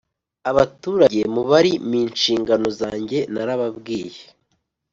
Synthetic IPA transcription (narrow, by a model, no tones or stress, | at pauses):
aβatuːɾaɟe̞muβaɾimiːnʃiːŋɡano̞zaːɲɟe̞naɾaβabɡiːje